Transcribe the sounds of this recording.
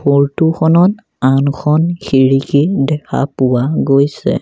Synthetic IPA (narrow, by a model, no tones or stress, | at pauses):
boɹtuxʰɔnɔt | ankʰɔnxʰiɹikidɛkʰa̰pʊwaɡojsɛ̰